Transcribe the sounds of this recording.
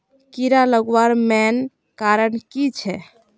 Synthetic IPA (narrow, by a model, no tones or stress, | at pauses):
kiɾaləɡʋaɾmɛn | kaɾənkit͡ʃʰɛ